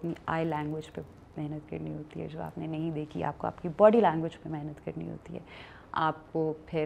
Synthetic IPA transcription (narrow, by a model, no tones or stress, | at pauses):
pnia̰ːjlɛ̃ːŋɡwɪd͡ʒpe | mɛɦnət̪kɐ̰ɾniɦoːt̪iɦɛ̰d͡ʒoːa̰ːpnenɐɦĩd̪eːkʰḭa̰ːp̚koa̰ːpkibɔːɽilɛ̃ːŋɡʋɪd͡ʒpemɛɦnət̪kɐɾnḭɦo̰ːt̪ḭɦɛ̰ː | aːp̚kopʰɪ